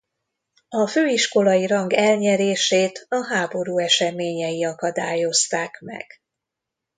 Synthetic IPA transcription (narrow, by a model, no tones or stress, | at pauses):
ɒføːiʃko̞lɒjiɾɒŋɡɛlɲɛɾeːʃeːt̪ɒɦaːbo̞ɾuːɛʃɛmeːɲɛjiɒkɒd̪aːjo̞st̪aːkmɛ̰ɡ̥